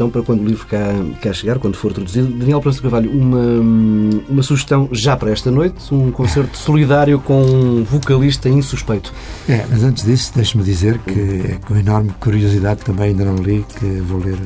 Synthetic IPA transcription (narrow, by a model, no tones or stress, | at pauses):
t̪ɐ̃w̃pɐɾɐkwɐ̃nd̪ulˠivɾukakɛɾɐʃɨɣaɾkwɐ̃nd̪ufoɾt̪ɾud̪uziðud̪ɐniɛlˠpɾɐ̃s̬ukɐɾvaʎuumɐ | umɐsuʒɨʃt̪ɐ̃w̃ʒapɐɾɐɛʃt̪ɐnojt̪ũkõseɾt̪u̥sulˠiðaɾjukõũvukɐlˠiʃt̪ɐĩsuʃpɐjt̪u̥ɛmɐzɐ̃nt̪ʒðisu̥d̪ejʃumðizeɾkʰɨɛ̰kõinɔɾmkuɾiuziðaðt̪ːɐ̃mbɐ̃j̃ɐĩnd̪ɐnɐ̃w̃lˠikɨvolˠeɾ